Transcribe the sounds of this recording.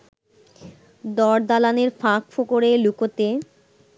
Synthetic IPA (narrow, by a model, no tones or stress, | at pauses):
d̪ɔɾd̪alaneɾfãkfokoɾelukot̪e